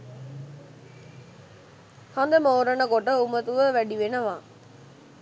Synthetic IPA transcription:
hand̪ɐmoːɾɐnəkoʈəumɐt̪uʋəʋæɖiʋenɐʋaː

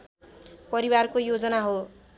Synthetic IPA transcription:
pʌɾiwarkojod͡zʌnaɦo

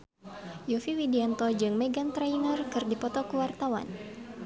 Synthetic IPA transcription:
jufiwidiant̪ɔd͡ʒɨŋmɛɡant̪ɾainərkɨrdipɔt̪ɔkuwart̪awa̰n

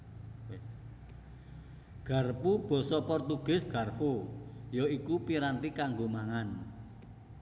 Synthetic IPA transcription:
ɡ̥a̤rpub̥ɔ̤sɔpɔrt̪uɡ̥ɪ̤sɡ̥a̤rfujɔikupiɾant̪ikaŋɡomaŋan

